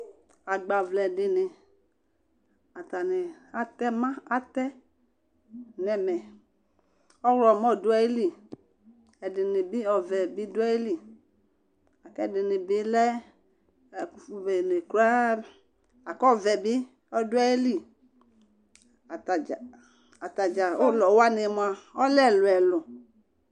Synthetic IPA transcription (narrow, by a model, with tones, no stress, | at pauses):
a˨ɡ͡ba˨vlɛ˨dɪ˨ne˨ | a˨ta˨ne˨a˨t̪ɛ˦mã˦a˦t̪ɛ˦ | nɛ˨mɛ˨ | ɔ˦wlɔ˨mɔ˦˨dʊ˦ɛ˨je˦li˨ | ɛ˨dɪ˨ne˨bi˦ɔ˨vɛ˨bi˦dʊ˦ɛ˦e˦li˨ | a˨kɛ˦˨dɪ˨nɪ˨bi˦lɛ˦˨ | fbe˨ne˨ka˦ | a˨kɔ˦˨vɛ˨bi˦ | ɔ˦dʊ˦a˦je˦li˦˨ | ta˨d͡ʒa˨ | a˨t̪a˨d͡ʒa˨o˦˨lɔ˨wa˦ne˨mõ˨a˨ɔ˦lɛ˦˨lʊ˨ɛ˨lʊ˨